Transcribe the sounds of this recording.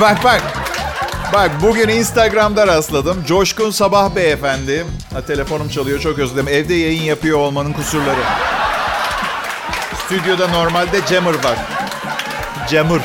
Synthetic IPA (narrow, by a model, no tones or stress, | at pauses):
bak̚bak | bak̚buɟyninst̪aɡɾamd̪aɾaslˠad̪ɯmd͡ʒo̞ʃkunsabahbɛːfænd̪ɪ | at̪ʰe̞lʲe̞fo̞numt͡ʃʰalˠɯjo̞t͡ʃʰo̞køzʲeimɛvd̪ɛjajɯnjapɯjo̞ːlˠmanɯnkʰusuɾlˠaɾɯ | st̪ʰyd̪jo̞d̪ano̞ɾmalʲd̪ɛd͡ʒemɯɾvaɾ̥ | d͡ʒemɯɾ